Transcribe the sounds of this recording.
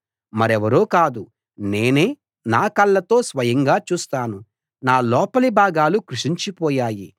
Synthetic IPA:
mɐɾɛʋɐɾoːkaːd̪u | ne̞ːne̞ː | naːkɐlːɐt̪o̞ːsʋɐjɐŋɡaːt͡ʃuːst̪aːnu | naːlɔːpɐlibʱaːɡaːlukɾuʂiɲt͡ʃipɔːjaːji

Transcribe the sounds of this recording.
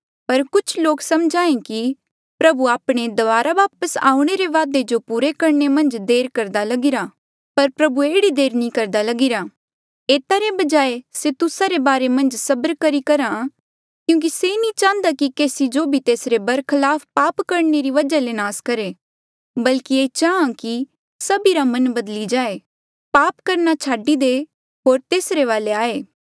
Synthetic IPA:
pɐɾkʊt͡ʃʰloːksɐmd͡ʒaːẽki | pɾɐbuaːpɽ̃ed̪ɐʋaːɾaʋaːpəsa̰ːũɽ̃eɾeʋaːd̪ed͡ʒopuːɾekɐɾnemɐ̃nd͡ʒd̪eːɾkɐɾd̪alɐɡɪɾa | pɐɾpɾɐbueːɽid̪eːɾnĩkɐɾd̪alɐɡɪɾa | eːt̪aɾebɐd͡ʒaːeset̪ʊsaɾebaːɾemɐ̃nd͡ʒsɐbəɾkɐɾikɐɾã | kjũːk̬isenĩt͡ʃãːənd̪akikeːsid͡ʒobʱit̪eːsɾebɐɾkʰɐlaːfpaːpkɐɾneɾiʋɐd͡ʒalenaːskɐɾe | bɐlkieːt͡ʃaːãki | sɐbiɾamɐnbɐd̪lid͡ʒaːe | paːpkɐɾnat͡ʃʰaːɖid̪e | ɦoːɾt̪eːsɾeʋaːleaːeː

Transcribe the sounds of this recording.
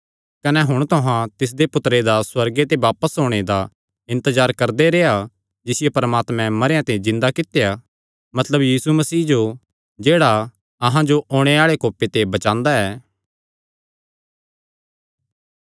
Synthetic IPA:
kɐnɛɦʊɽ̃t̪ʊɦãt̪ɪs̬d̪epʊt̪ɾed̪aswɐɾɡet̪̬eʋaːpəsɦoːɽ̃ed̪a | ɪ̃nt̪əzaːɾkɐɾd̪eɾeːa | d͡ʒɪsɪjepɐɾəmaːt̪mɛ̃mɐɾejãt̪ed͡ʒɪ̃nd̪akɪt̪eja | mɐt̪ləbjiːsumɐsiːd͡ʒo | d͡ʒeːɽa | ɐɦãd͡ʒoʔoːɽ̃eaːɭekoːpet̪ebɐt͡ʃãːnd̪aɛː

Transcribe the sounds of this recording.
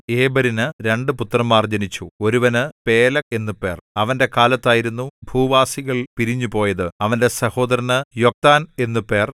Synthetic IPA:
eːbɐɾinɨɾe̞ɳɖɨput̪ːrɐmːaːrd͡ʑɐnit͡ɕːuo̞ɾuʋɐnɨpe̞ːlɐke̞nːupːe̞ːrɐʋɐnde̞kaːlɐt̪ːaːjiɾunːubʱuːʋaːsiɣɐɭpiɾiɲːupo̞ːjɐðɨɐʋɐnde̞sɐho̞ːd̪ɐɾɐnɨjo̞k̚t̪aːne̞nːupːe̞ːr

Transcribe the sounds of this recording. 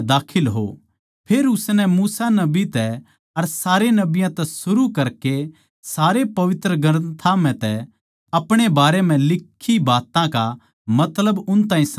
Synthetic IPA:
d̪aːkʰɪlɦo̰ | pʰeːɾʊsnɛmuːsanɐbit̪ɛ | ɐɾsaːɾenɐbɪjãt̪ɛsʊɾukɐɾke | saːɾepɐʋɪt̪ɾəɡɐɾnt̪ʰam̤ɛ̃t̪ɛ | ɐpɽ̃ebaːɾɛm̤ɛ̃lɪkʰːibaːt̪ãka | mɐt̪ləbʊnt̪ãːĩs

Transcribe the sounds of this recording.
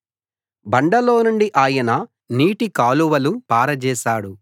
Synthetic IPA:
bɐɳɖɐloːnuɳɖiʔaːjɐnɐ | niːʈikaːluʋɐlupaːɾɐd͡ʒɛːʃaːɽu

